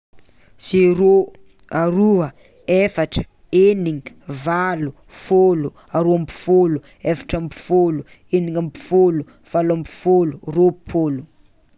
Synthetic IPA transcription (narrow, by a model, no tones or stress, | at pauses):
siɾo | aɾuə | efaʈ͡ʂə̥ | eniŋi | valu | folu | aɾoambi̥folu | efḁʈ͡ʂampi̥folu | eniŋampi̥folu | v̥alambi̥foluropʰolu̥